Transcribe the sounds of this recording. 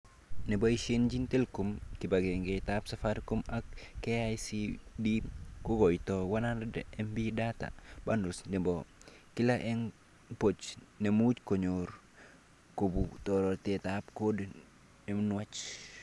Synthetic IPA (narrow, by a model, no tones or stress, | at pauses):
nɛboiʃend͡ʒintelkumkɪbaɡeŋɡetapsafaɾkumakːeajsidikuɡɔjtɔwanandɛmbidata̰bandusnɛbɔkɪlaʔɛn | pot͡ʃnemut͡ʃkoɲoɾ | kobutɔɾɔtetapkod | ɛmnwat͡ʃ